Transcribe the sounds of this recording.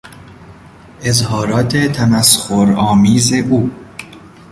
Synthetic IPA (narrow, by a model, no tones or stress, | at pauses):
ʔezhɒːɾɒːt̪ʰet̪ʰæmæsxoɾɒːmiːzeʔuː